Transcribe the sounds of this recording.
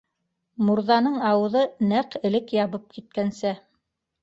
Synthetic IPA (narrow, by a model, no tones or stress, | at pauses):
muɾðɑnɤɴɑwɤ̆ðɤnæqɘ̆lɘkjɑβɤp̚kit̪̚kænsæ